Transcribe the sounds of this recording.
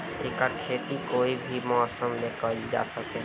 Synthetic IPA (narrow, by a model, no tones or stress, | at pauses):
eːkəɾkʰeːt̪ikoːibʱimɔasəmlekəld͡ʒa̰ːsəke